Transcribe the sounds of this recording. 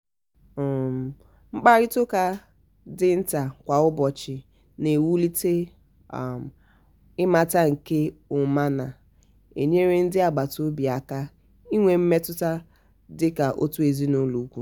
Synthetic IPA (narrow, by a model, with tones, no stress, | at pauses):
ŋ͡m̩˦k͡pa˦ɾɪ˦tʊ˦ka˦ | dɪ˦n̩˦ta˨kʷa˨ʊ˦bɔ˨t͡ʃɪ˨ | ne˨wu˦li˦te˦˨ | ɪ˦ma˨ta˦ŋ̩˨ke˦ʊ˨ma˦na˨ | ḛ˨ɲe˦ɾe˦n̩˦dɪ˦a˨ɡ͡ba˨to˦bi˨a˨ka˦ | i˦ŋʷe˨m̩˦me˦tʊ˦ta˦ | dɪ˦ka˨ʔo̰˦tu˦e˨zi˦no˦lu˨˦kʷu˦